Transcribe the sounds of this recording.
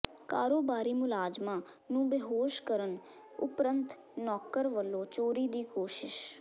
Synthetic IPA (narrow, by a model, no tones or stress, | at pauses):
kaːɾoːbaːɾiːmʊlaːd͡ʒmãː | nũːbeɦoːʃkəɾən | ʊ̰pɾənt̪ | nɔːkəɾʋəlːõːt͡ʃoːɾiːd̪iːkoːʃɪʃ